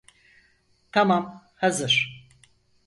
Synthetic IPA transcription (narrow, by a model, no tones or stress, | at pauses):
t̪ʰamam | hazɨɾ